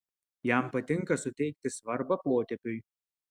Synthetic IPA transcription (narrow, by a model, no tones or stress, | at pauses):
jæˑmpɐt̪ʲɪŋˑkɐsʊt̪ʲɛɪk̚t̪ʲɪsʋɐɾbɐpoːt̪ʲɛpʲʊɪ